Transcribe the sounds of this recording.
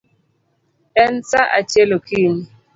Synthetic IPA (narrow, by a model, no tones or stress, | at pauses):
ɛn̩saʔa̰t͡ʃelokʰiɲi